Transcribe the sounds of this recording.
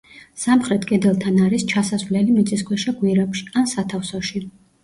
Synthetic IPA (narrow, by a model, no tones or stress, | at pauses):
samχɾɛt̪ʰkʼɛd̪ɛlˠt̪ʰanaɾist͡ʃʰasazvlɛlimit̪sʼiskʰwɛʃaɡwiɾapʃi̥ansat̪ʰafsɔʃi